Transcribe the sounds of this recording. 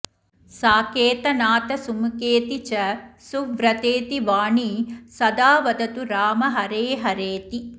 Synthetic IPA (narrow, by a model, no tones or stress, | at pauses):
saːkeːt̪ɐnaːt̪ɐsumkeːt̪it͡ʃɐsuʋɾɐt̪eːt̪iʋaːɳisɐd̪aːʋɐd̪ɐt̪uɾaːmɐɦɐɾeːɦɐɾeːt̪i